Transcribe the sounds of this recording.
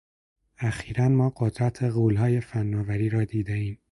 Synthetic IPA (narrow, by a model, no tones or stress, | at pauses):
æxiːɾænmɒːɢod̪ɾæt̪ʰeɣuːlɦɒːje̞fænːɒːvæɾiːɾɒːd̪iːd̪eiːm